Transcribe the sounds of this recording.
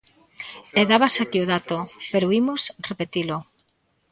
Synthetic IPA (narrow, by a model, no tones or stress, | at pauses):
eðaβasakioðat̪opeɾoimosrepet̪ilʊ